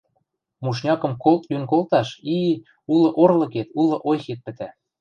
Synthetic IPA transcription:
muʃ̬nʲɑkɤ̆mkolt̪lynkolt̪ɑʃi | ulɤ̆ʔorlɤ̆ket̪ulˠɤ̆ʔojxet̪̚pɘ̆t̪æ

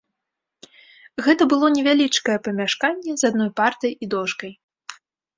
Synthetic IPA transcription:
ɣɛt̪ɐbɨlˠɔnʲɛvʲalʲit͡ʂkɐjɛpɐmʲaʂkanʲːɛzad̪nɔjpart̪ɐjid̪ɔʂkɐj

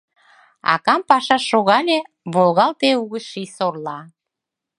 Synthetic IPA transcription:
ɑ̰kɑmpɑʃɑʃːoɣɑlʲe | βolɣɑlt̪euɣəʃisorlɑ

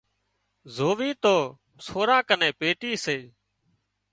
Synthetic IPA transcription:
zoːʋiːt̪oː | sʰoːɾãːkənẽːpeːʈiːseː

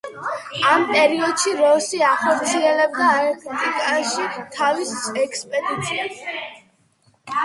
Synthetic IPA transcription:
ampʼɛɾiɔd̪̥ʃiɾɔsiaχɔɾt̪sʰiɛlɛb̚d̪aɛɾt̪ʰɛt̪ʼikʼaʃit̪ʰavisɛkʰspʼɛd̪it̪sʰias

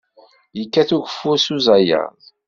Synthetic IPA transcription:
jəkːæθuʝəfːuɾsuzæjə̰ðˤ

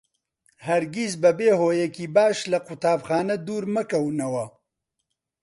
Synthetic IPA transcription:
hɐɾɡizbɐbeːhoːjɛkiːbaːʃlɐqut̪ʰaːbxaːnɐd̪uːɾmɐkɐwnɐwɐ

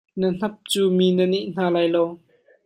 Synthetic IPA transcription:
nɐn̥ɐp̚t͡suːmiːnəniʔn̥aːlaːjlow

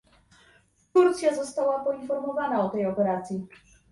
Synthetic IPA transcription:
t̪uɾt̪sʲjazɔst̪awapɔinfɔɾmɔvanaɔt̪ɛjɔpɛɾat̪sʲji

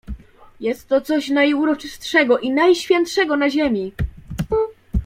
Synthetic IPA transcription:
jɛst̪ːɔt̪sɔɕnajuɾɔt͡ʂɘst̪ʂɛɡɔʔinajɕfʲjɛnt̪ʂɛɡɔnaʑemʲi

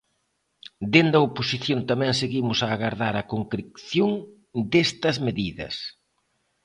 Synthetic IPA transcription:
d̪end̪ɐoposiθjont̪amɛ̃ŋseɣimʊsɐːɣaɾðaɾɐkoŋkɾekθjoŋ | d̪est̪ɐzmeðiðɐ̰s

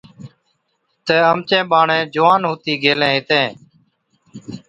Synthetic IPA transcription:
t̪eːəmt͡ʃẽːɓaːɳẽːd͡ʒʊʋaːnɦoːt̪iːɡʱeːlẽːɦɪt̪ẽː

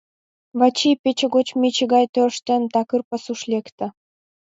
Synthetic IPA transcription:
βɑt͡ɕijpet͡ɕĕɣot͡ɕmʲet͡ɕəɣɑjt̪ørʃt̪ent̪ɑkɯrpə̆suʃlʲekt̪ə̆

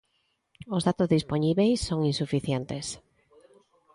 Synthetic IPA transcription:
ozðat̪ozðisponiβejsːoŋinsufiθjent̪es

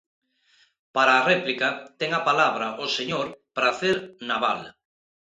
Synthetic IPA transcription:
paɾaːrɛplikat̪ɛŋapalaβ̞ɾaʔoseɲoɾpɾaθeɾnaβal

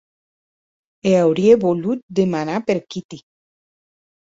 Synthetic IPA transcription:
eawɾieβolut̪̚d̪emanapeɾkit̪i

